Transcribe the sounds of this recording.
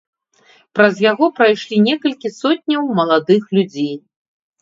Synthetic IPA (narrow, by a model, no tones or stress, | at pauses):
pɾɐzjaɣɔpɾajʂlʲinʲɛkɐlʲkʲisɔt̪̚ʲnʲɐwmɐlˠad̪ɨxlʲud͡zʲej